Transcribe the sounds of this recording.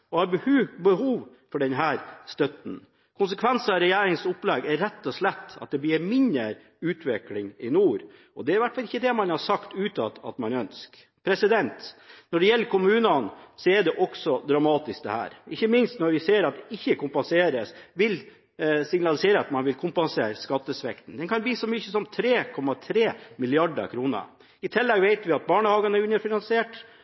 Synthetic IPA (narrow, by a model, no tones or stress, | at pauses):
ɔhɑɾbəhʉbəhuːʋ | fɔɖɛnɦæːɾst̪œt̪n̩ | kʰʊns̬əkʰʋɛnsəɑɾɛjæːɾɪŋsʊpːlɛɡæɾːɛt̪ːɔslɛt̪ːɑ̰t̪̚d̪ɛbliːɾmɪnəɾ | ʉːt̪ʰʋɛklɪŋɪnuːɾ | ɔd̪ɛæɾʋæʈfɑlɪçːəd̪ɛmɑnhɑɾsɑkt̪ʉːt̪ʰɑt̪ːɑ̰t̪mɑnœnsk | pʰɾɛsɪd̪ɛnt̪nɔɖɛjɛlːəɾkʰʊmʉːnɑnsɔɛɖɛʔɔksɔd̪ɾɑmɑːt̪ɪsk̚d̪ɛ̰hæ̰ːɾɪçːəmɪnst̪nɔɾʋɪseːɾɑt̪ɪçːəkʊmpɑnseːɾəsʋɪl | sɪŋnɑlɪseːɾəɑt̪mɑnʋɪlkʰʊmpɑnseːɾskɑt̪ːəsʋɛkt̪n̩d̪ɛnkʰɑnbliːsɔmʏçːəsɔmt̪ʰɾeːkʰɔmːɑt̪ʰɾeːmɪlɪɑɖə̰ɾkʰɾuːnə̰ | ɪt̪ʰɛlːɛɡʋeɪt̪ʋɪɑt̪̚bɑːɳəhɑːɡɑnɛɾʉnːəɾfɪnɑnsɪeːʈ